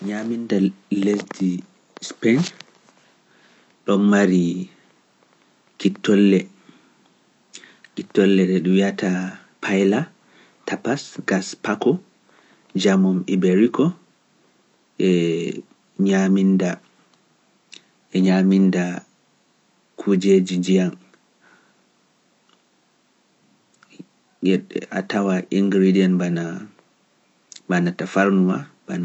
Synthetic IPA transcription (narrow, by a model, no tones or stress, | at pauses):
ɲamindalesdi | spen | ɗɔnmaɾi | kitːɔlːɛ | kitːɔlːɛɗɛɗuwiata | pʰajla | tʰapasɡaspakɔ | d͡ʒamɔmibeɾikɔ | ʔɛ | ɲaminda | ɛɲaminda | kʰud͡ʒed͡ʒid͡ʒijan | jɛɗɛʔa̰tawaʔiŋɡɾidiɛnbana | banatafaɾnuwa̰bana